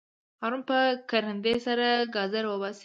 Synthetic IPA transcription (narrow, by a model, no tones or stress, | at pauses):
hɑɾunpəkaɾənd̪esaɾaɡɑzaɾwəbɑse